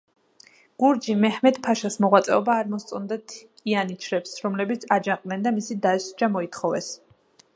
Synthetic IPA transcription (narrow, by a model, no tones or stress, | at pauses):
ɡ̥uɾd͡ʒimɛhmɛd̪pʰaʃasmɔʁwat̪sʼɛ̰ɔbaːɾmɔst̪sʼɔnd̪at̪ʰ | ianit͡ʃʰɾɛpsɾɔmlɛbit̪sʰad͡ʒaqʼnɛnd̪amisid̪aɛsd͡ʒamɔit̪ʰχɔvɛ̰s